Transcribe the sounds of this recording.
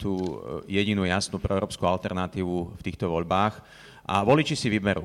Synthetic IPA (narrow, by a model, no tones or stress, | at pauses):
t̪uːjɛɟinuːjasnuːpɾɛɛʊɾɔːpskualt̪ɛɾnat̪iːʋuft̪iːxt̪ɔʋɔʎbaːx | ʔa̰ʋɔlit͡ʃisiʋibɛɾṵ